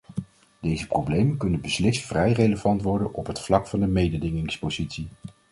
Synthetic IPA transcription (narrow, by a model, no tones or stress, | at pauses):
d̥ejzəprowblejmənkɵnənbəslɪstfrɛjrejləvɑntʋɔɹdənʔɔpɦətflɑkfɑndəmejdədɪŋɪŋspozitsi